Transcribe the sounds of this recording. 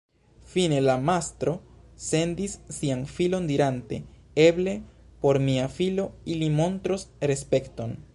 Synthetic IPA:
fine̞lamastɾo̞se̞ndisːianfilo̞ndiɾante̞ | e̞ble̞po̞ɾmiafilo̞ilimo̞ntɾosɾe̞spe̞kto̞n

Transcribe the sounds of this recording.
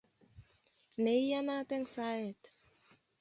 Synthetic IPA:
nejjanat̪ɛŋsaɛt̪

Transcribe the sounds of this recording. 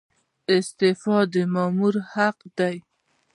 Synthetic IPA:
ɪst̪efɑd̪əmɑmuɾhaqd̪aj

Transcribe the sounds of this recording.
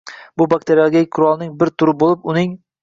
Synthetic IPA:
bʊbak̚t̪ʰe̞ɾijalˠɡʲakʲkʰːʊɾɒlˠnɪŋbɪɾt̪ʰʊɾɪbolˠɪpʊnɪŋ

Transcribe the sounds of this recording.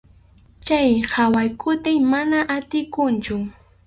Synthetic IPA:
t͡ʃajhawajkʊt̪ɪŋmanaʔat̪ɪkʊnt͡ʃʊ

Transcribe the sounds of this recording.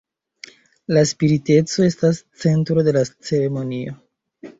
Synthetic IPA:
laspiɾite̞t͡so̞e̞stast͡se̞ntɾo̞de̞lat͡se̞ɾe̞mo̞nio̞

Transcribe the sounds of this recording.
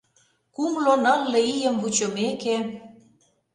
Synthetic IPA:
kumlonɤ̆lːɤ̆ijə̆mvut͡ɕə̆meke

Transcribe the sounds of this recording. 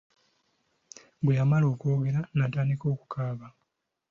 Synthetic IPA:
bwejamalo̞ːko̞ːɡe̞ɾanataːndiko̞ːku̥kʰaːβa

